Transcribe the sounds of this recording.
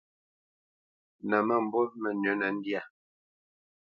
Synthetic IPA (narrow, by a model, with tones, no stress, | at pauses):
na˨ma˦˨m˨bɔ˦mɛ˨nə˨˦na˨n̩˦dja˦˨